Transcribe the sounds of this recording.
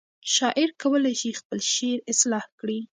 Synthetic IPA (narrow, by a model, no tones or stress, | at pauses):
ʃɑʔɪɾkawəlajʃixpəlʃeɾɪslɑhkɽi